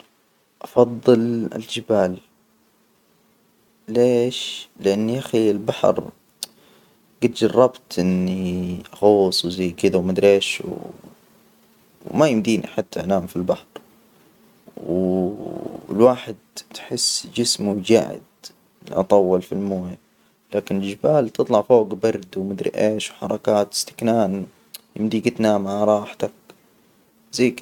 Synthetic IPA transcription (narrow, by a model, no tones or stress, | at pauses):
ʔɑfɑðˤːɨlɪ̰ld͡ʒɪbaːl | eːʃlɪʔanːiʔaxilbaħɾ | ɡat̪̚d͡ʒɑrˤːɑbt̪ʔɪnːiʔɑɣoːsˤwzajːkɪd̪awmad̪ɾeːʃw | wmajɪmd̪iːnḭħat̪ʰːaʔanaːmfilbaħɾ | w | ɪ̰lwaːħɪd̪̚t̪ħɪsːd͡ʒɪsmud͡ʒa̰ʕɪ̰d̪ | lʔɑ̰t̪ˤɑwːɑlfilmoːja | laːkɪnɪld͡ʒɪbaːlt̪ɨt̪ˤlɑʕfoːɡbɑɾˤd̪wmad̪ɾɪ̰ʔeːʃwħɑ̰ɾˤɑkaːt̪ɪ̥st̪ɪ̥knaːn | jɪ̰md̪iːɡat̪naːmaʕɾˤɑːħt̪ak̚ | zajːkɪ